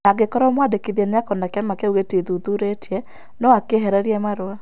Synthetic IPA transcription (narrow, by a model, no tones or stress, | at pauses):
aɡekɔɾɔmwadekiðjɛnakɔnakɛmakɛuɣeteðuðuɾetiɛ | nɔakeɦɛɾɛɾiɛmaɾoa